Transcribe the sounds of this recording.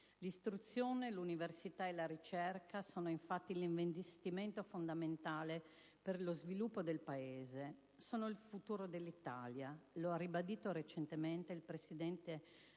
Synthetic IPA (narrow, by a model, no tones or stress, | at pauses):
list̪ɾut̪sːjoːneluniversit̪aelaɾit͡ʃɛrkasoːnoiɱfat̪ːiliɱvend̪ist̪iment̪ofond̪ament̪aːle | perlozvilupːod̪elpaeːze | soːnoilfut̪uːɾod̪elːit̪aljaloarːibad̪iːt̪oɾet͡ʃent̪ement̪eilpɾesid̪ɛnt̪e